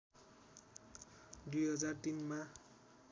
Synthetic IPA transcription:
d̪ujɦʌd͡zart̪inma

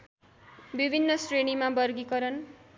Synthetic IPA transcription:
bibʱinːʌsrenimabʌrɡikʌɾʌn

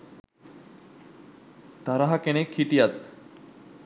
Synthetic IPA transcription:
t̪aɾaɦakenekʰiʈijat̪̚

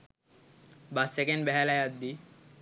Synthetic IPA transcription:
basekenɖbɛɦɛlajad̪ːi

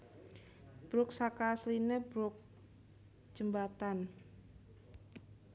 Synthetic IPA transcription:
b̥ɾʊk̚sakaslineb̥ɾʊk̚ | d͡ʒ̥əmbat̪an

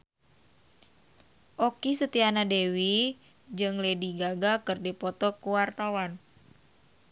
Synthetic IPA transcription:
ʔɔkisət̪ianadewi | d͡ʒɨŋlediɡaɡakɨrdipɔt̪ɔkuwart̪awan

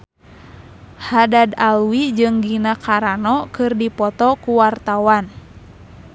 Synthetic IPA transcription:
hadadalwid͡ʒɨŋɡinakʰaɾanɔkɨrdipɔt̪ɔkuwart̪awan

